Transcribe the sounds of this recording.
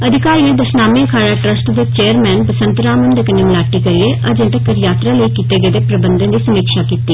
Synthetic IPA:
əd̪ʱɪkaːɾiːẽːd̪əɾʃnaːmẽːəkʰaːɽaːʈɾəsʈd̪eːt͡ʃeːəɾmɛːnpəsə̃nt̪ɾaːmənd̪eːkəneːmɪlaːʈːiːkəɾɪeːʔəd͡ʒə̃ʈəkəɾjaːt̪ɾãːləikiːt̪eːɡəːd̪eːpɾəbənd̪ə̃nd̪iːsəmiːkʃaːkiːt̪iː

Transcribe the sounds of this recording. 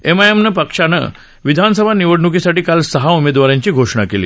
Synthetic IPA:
emajəmnəpəkʂanə̰ | ʋid̪ʱansəbʱaniʋəɽɳukisaʈiːkalsəɦaumed̪ʋaɾjãɲt͡ɕiːɡʱoʂɳakelḭː

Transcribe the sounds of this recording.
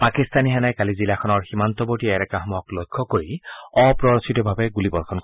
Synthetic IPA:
pakist̪aniɦanajkalizilaxʰɔnɔɹximant̪ɔboɹtiɛɾɛkaɦɔmjɔklɔjkʰːɔkoɹiɔpɹɔɹɔsʰitɔbʱabɛɡulibɔɹkʰɔn

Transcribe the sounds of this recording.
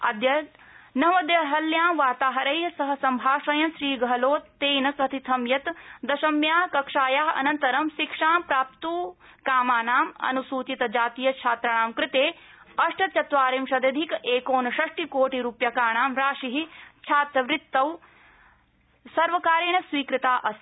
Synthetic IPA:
ɐd̪jɐ | nɐmɐd̪jɐɦɐljaːmʋaːt̪aːɦɐɾɐjsɐɦɐsɐmbʱaːʃɐjɐmʃɾiːɡɐɦɐloːt̪ːeːjnɐkɐt̪ʰit̪ʰɐmjɐt̪d̪ɐʃɐmjaːɦkɐkʂaːjaːɦɐ̰nɐnt̪ɐɾɐmʃikʂaːmpɾaːp̚t̪uː | kaːmaːnaːmɐ̰nusuːt͡ʃit̪ɐd͡ʒaːt̪ijɐt͡ʃʰaːt̪ɾɐɳaːmkɾɪt̪eː | ɐʂʈʰɐt͡ʃɐt̪ʋaːɾimʃɐd̪ɐd̪ʱikʔeːkoːnɐʃɐʂʈikoːʈiɾuːpjɐkaːɳaːmɾaːʃiɦit͡ʃʰaːt̪ɾɐʋɾɪt̪ːɐw | sɐɾʋɐkaːɾiɳɐsʋiːkɾɪt̪aːʔɐs

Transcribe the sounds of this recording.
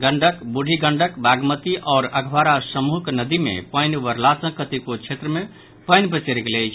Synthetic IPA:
ɡəɳɖʱəkbuɽʱiɡəɳɖəkbaɡmət̪iʔɔːɾəɡʱʋaɾasəmuɦknəd̪imḛpəjnʋəɾlasə̃kət̪ikot͡ʃʰet̪ɾəme | pəɪnpət͡ʃeɾɡelɛjt͡ʃʰ

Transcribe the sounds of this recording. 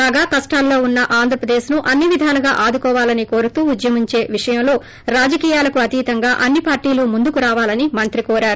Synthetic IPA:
aːɡaːkɐsʈaːlːo̞ːunːɐʔaːnd̪ʱɾɐpɾɐd̪eːʃnuʔɐnːiʋid̪ʱaːnɐɡa̰ːʔaːd̪ukɔːʋaːlɐniko̞ːɾut̪uːud̪jɐmiɲt͡ʃe̞ːʋiʂɐjɐmlo̞ː | ɾaːd͡ʒɐkiːjaːlɐkuɐt̪iːt̪ɐŋɡaːʔɐnːipaːɾʈiːluːmund̪ukuɾaːʋaːlɐnimɐnt̪ɾikoːɾaːɾu

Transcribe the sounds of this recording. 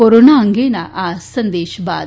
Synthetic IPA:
oɾoːnaːɐŋɡeːnaʔaːsɐnd̪eːʃba̰ːd̪

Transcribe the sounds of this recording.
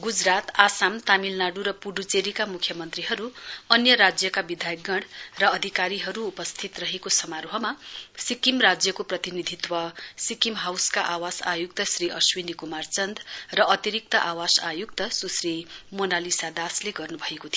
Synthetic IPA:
ɡud͡zrat̪asamt̪amilnaɽuɾʌpuɖut͡seɾikamukʰjʌmʌnt̪riɦʌɾuʌnjʌɾad͡zjʌkabid̪ʱajɡʌɽrʌʌd̪ʱikaɾiɦʌɾuːpʌst̪ʰit̪rʌɦekosʌmaɾɦʌmasikimrad͡zjʌkoprʌt̪inid̪ʱit̪wʌsikimɦawskaʔawasajuk̚t̪ʌsriʌswinikumart͡sʌnd̪rʌʌt̪iɾik̚t̪ʌʔawasajuk̚t̪ʌsusrimonalisad̪asleɡʌrnubʱʌekot̪ʰij

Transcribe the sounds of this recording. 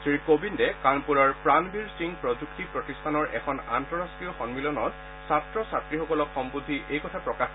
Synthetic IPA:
sɹikobindɛkanpulaɹpɹanbʱiɹsiŋpɹɔd͡ʒuktipɹɔtistʰanɔɹʔɛkʰɔna̰ntɔɹastɹijɔxɔŋmilɔnɔt | satɹɔsatɹixɔkɔlɔkxɔmbud̪ʱːiʔejkɔtʰapɹɔkax

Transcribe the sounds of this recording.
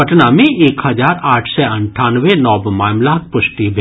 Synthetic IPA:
ɐʈnamẽʔeːkhɐd͡ʒaːɾaːʈʰsɛɐ̃ɳʈʰaːnʋenɔːbmaːmlak̚ʰpʊʃʈibʱ

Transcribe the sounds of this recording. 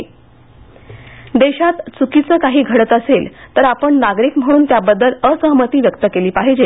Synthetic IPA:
d̪eɕat̪t͡sukit͡səːkaɦiːɡʱəɽət̪əselt̪əɾapəɳnaɡɾiːkm̤əɽ̃uːnt̪jabəd̪ːələsəɦmət̪iːʋjəkt̪əkeliːpaɦid͡ʑe

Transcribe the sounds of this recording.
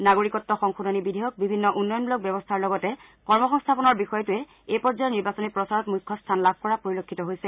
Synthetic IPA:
naɡoɹikɔtːɔxɔŋxunonibidʱiɦjɔk̚bibʱinːɔʔunːɔjɔnbulɔk̚bɛbɔstʰaɹlɔɡɔtɛkɔɹmɔxɔŋstʰapɔnɔɹbixɔjɔtʊɛ | ejpɔɹd͡ʒɔjɔniɹbasɔnipɹɔsaɹɔtmujkʰːɔstʰanlab̚ʱkɔɹapoɹilokʰːitɔɦojsɛ

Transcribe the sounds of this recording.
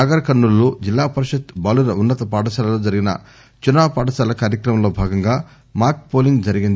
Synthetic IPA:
aːɡɐɾɐkɐɳːulːoːd͡ʒilːaːpɐɾuʃɐt̪bɐlunɐunːɐt̪ɐpaːʈɐsaːlɐloːd͡ʒɐɾiɡinɐ̰ | t͡ʃunːaːpaːʈɐsaːlɐkaːɾjɐkɾɐmɐmlo̞ːbʱaːɡɐŋɡaː | maːɾk̚poːliŋɡd͡ʒɐɾiɡind̪i

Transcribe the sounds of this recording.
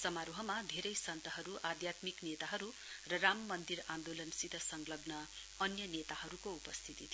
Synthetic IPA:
sʌmaɾoɦʌmad̪ʱeɾʌjsʌnt̪ʌɦʌɾuʔad̪jat̪miknet̪aɦʌɾu | rʌramːʌnd̪iɾand̪olʌnsid̪ʱʌsʌŋlʌɡnʌ | ʌnjʌnet̪aɦʌɾukoupʌst̪ʰit̪it̪ʰ

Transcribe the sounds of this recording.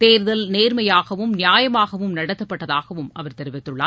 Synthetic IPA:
t̪eːɾðɐlneːɾmɐjaːɣɐʋɯmnɪjaːjɐmaːɣɐʋɯmnɐɽɐt̪ːɐpːɐʈːɐðaːɣɐʋɯmʔɐʋɐɾt̪ɛɾɪʋɪt̪ːɯɭːaː

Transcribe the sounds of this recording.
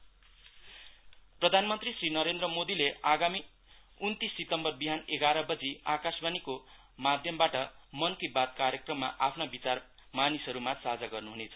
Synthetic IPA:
prʌd̪ʱanmʌnt̪risrinʌɾend̪rʌmod̪ileaɡami | unt̪isːit̪ʌmbʌrbiɦaneɡaɾʌbʌd͡ziakasbaniko | mad̪ʱjʌmbaʈʌmʌnkibat̪̚kaɾjʌkrʌmːaʔapʰnabit͡sar | manisɦʌɾumasad͡zaɡʌrnuɦunet͡sʰʌ̥

